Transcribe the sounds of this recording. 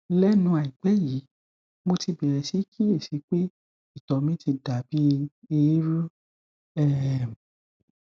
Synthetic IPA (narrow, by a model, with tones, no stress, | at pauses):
lɛ˦nũ˧a˨i˨k͡pɛ˨˦ji˨˦ | mo˧ti˧bɛ˨ɾɛ˧˨si˨˦kʰi˦e˦˨si˨˦k͡pe˦ | i˦˨tɔ˨mĩ˨˦ti˧da˨bi˨˦i˧˦ɾu˦ | ɛ˦˨m˨